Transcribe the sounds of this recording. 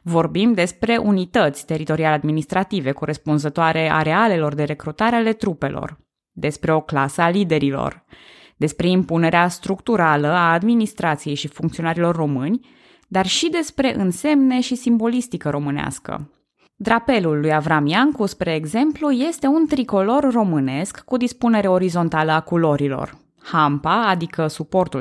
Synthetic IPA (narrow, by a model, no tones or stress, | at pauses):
vo̞rbimd̪e̞spɾe̞ʔunit̪ət̪sʲt̪e̞ɾit̪o̞ɾialead̪minist̪ɾat̪ive̞ko̞ɾe̞spunzət̪oaɾe̞a̰ɾe̞ale̞lo̞rd̪e̞ɾe̞kɾut̪aɾeale̞t̪ɾupe̞̰lʔo̞̰r | d̪e̞spɾe̞o̞klasəalid̪e̞ɾilo̰r | d̪̥e̞spɾe̞impune̞ɾeast̪ɾukt̪uɾaləaːd̪minist̪ɾat̪sije̞jʃifuŋkt̪sio̞naɾilo̞rːo̞mɨnʲ | d̪arʃid̪e̞spɾe̞ʔɨnse̞mne̞ʃisimbo̞list̪ikəɾo̞mɨnea̰skə̰ | d̪ɾape̞lulːujavɾamjaŋkuspɾe̞ːɡze̞mpluje̞st̪e̞unt̪ɾiko̞lo̞rːo̞mɨne̞skːud̪ispune̞ɾe̞o̞ɾizo̞nt̪aləakulo̞ɾilo̞̰r | hampaːd̪ikəsupo̞rt̪u